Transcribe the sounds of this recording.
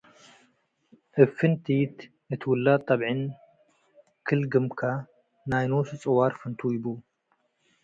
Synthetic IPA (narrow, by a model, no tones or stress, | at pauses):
ʔɨfɨnt̪ʰit̪ | nɨt̪ʰɨwʊlːat̪ʼːɐβʕɨn | kʰɨlɡɨmkʰa | najnosɨt͡sʼɨwaɾfɨnt̪ʰujɪbu